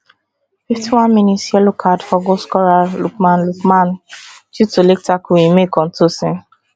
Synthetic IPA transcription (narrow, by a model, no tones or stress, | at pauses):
fiftiwãnmĩnisialokʰadfɔɡoskɔɾalukmãnlukmãnd͡ʒutolek̚takuĩmekɔ̃n̩tosĩn